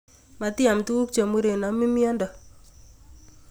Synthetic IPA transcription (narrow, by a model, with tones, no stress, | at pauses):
ma˨tɪ˦a˨mtu˦u˦kt͡ʃa˨mu˦ɾe˨na˨mi˦mi˦ɔ˦ndɔ˨